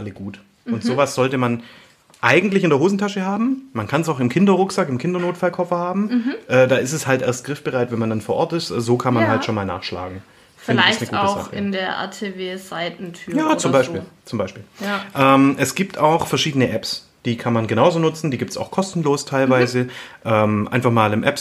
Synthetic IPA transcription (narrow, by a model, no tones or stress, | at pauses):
ʔaləɡuːt | ʊntz̥oːvasz̥ɔltəman | ʔaɪɡŋ̩tlɪçɪndeɐɦoːzn̩tʰaʃəɦaːbm̩mankʰans̬aʊxɪmkʰɪndɐʁʊksakɪmkʰɪndɐnoːtfalkʰɔfɐhaːbm̩ʔɛːdaːɪstɛshaltʔḛːɐst̚ɡ̥ʁɪfb̥əʁaɪtvɛnmandanfoːɐʔɔɐtɪstʔɛːzoːkʰanmanɦaltʃoːnmaːlna̰ːχʃla̰ːɡŋ̩ | fɪndləasnəɡuːtəʊzza̰χəɪndeːɐʔa̰tʰeveːzaɪtn̩tʰyːjaːt͡sʊmbaɪʃiːt͡sʊmbaɪʃpiːljʔɛːmʔɛsɡ̥iːp̚tʰaʊxfɛɐʃiːdənəʔɛps | d̥iːkʰanmanɡənaʊzoːnʊt͡sn̩diːɡiːptsa̰ʊxkʰɔstn̩loːstʰaɪlvaɪzəʔɛːmʔa̰ɪnfaχmaːlɪmʔɛ̰ps